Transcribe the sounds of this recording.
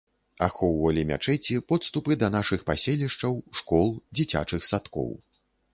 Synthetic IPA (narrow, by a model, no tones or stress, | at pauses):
a̰xɔwvɐlʲimʲa̰t͡ʂɛt͡sʲipɔt̪st̪upɨd̪ɐn̪aʂɨxpasʲɛlʲiʂt͡ʂɐwʂkɔlˠd͡zʲit͡sʲa̰t͡ʂɨxsat̪kɔ̰w